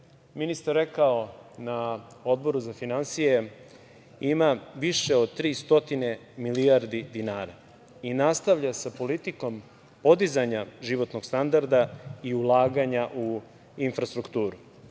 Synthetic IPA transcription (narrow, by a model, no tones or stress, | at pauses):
minist̪aɾːekao̞nao̞d̪̚bo̞ɾuzafinansije̞ | imaʋiʃeod̪̚t̪ɾiːst̪o̞t̪ine̞miliaɾd̪id̪inaːɾa | inast̪aʋʎasapo̞lit̪iko̞m | po̞d̪izaɲaʒiʋo̞t̪no̞ɡ̥st̪and̪aɾd̪aiulˠaːɡaɲaʔu | infɾast̪ɾukt̪uːɾu